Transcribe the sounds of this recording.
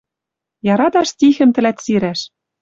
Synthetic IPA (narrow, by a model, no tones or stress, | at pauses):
jɑɾɑt̪ɑʃt̪ʲixɘ̆mt̪ɘ̆læt̪siɾæʃ